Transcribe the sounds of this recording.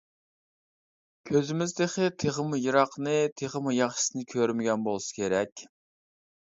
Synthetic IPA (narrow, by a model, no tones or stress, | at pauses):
kʲʰøzɪmɪzd̪eχʲɪt̪ʰeʁəmujiɾɑqnɨt̪ʰeʁəmujɑχʃɪ̥sɨnɨkʲʰøɾmɪɡʲɛnbolˠsɨ̥kʲʰeɾɛkʲ